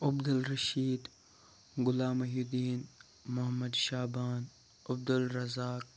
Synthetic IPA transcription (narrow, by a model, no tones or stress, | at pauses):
ɐbd̪ɐlɾɐʃiːd̪ | ɡʊlaːmɐɦud̪iːn | mʊɦɐmːɐd̪ʃaːbaːn | ɐb̚d̪ulɾɐzaːk̚